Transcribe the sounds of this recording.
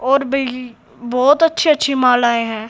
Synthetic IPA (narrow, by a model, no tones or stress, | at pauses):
ɔːɾbʱɐi | bɔːt̪ɐtːʃʰiɐtːʃʰimãːlaːeɦɛ̃ː